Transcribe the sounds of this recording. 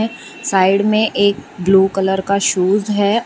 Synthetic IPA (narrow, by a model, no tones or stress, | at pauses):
ɛ̃ | saːɪɖmẽʔeːk̚bluːkələɾkaʃuːzɦɛː